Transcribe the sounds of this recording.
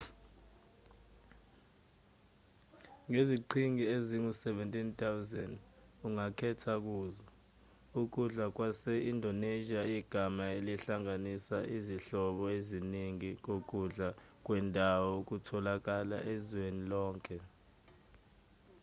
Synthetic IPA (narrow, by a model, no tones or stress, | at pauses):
ŋeziǃʰiŋieziŋusɛvɛntʼint̪ʰʼawuzɛnd | uŋakʰɛtʰak̬uːzɔ | uk̬uɮak̬wasɛʔindʱɔneʒiaiɡ̥ʱamaeliɬaŋanisaʔiziɬɔɓɔeziniŋik̬ok̬ʼuɮa | k̬wɛndʱawɔk̬utʰɔlak̬ala̰ʔezwenilɔːŋkʼɛ